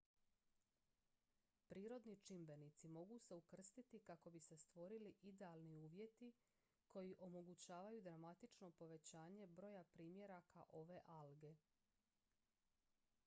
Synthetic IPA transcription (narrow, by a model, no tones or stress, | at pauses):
pɾiːɾo̞d̪nit͡ʃimbe̞nit̪simo̞ɡuse̞ukr̩st̪it̪ikako̞bise̞st̪ʋo̞ɾiliʔid̪e̞alˠniuːʋje̞t̪i | ko̞jiʔo̞mo̞ɡut͡ɕaːʋajud̪ɾamat̪it͡ʃno̞po̞ʋe̞t͡ɕaːɲe̞bɾo̞japɾiːmje̞ɾakʰa̰ʔo̞ʋe̞ʔalɡe̞